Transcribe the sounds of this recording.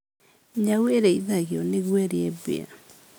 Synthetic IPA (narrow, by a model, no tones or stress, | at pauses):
ɲaueɾeiðaɣeɔneɣwɛɾeɛbḛa̰